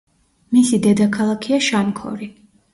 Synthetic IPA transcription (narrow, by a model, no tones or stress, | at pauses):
misid̪ɛd̪akʰalˠakʰiaʃankʰɔ̰ɾi